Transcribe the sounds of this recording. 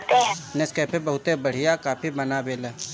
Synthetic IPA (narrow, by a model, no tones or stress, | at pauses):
t̪ẽneskɛːpebɐɦʊt̪ebɐɽ̤ijakaːpʰibɐnabeːle